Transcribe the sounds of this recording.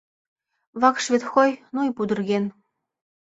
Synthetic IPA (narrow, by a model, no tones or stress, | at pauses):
βɑkʃvʲet̪xojnujpud̪ɤ̆rɣen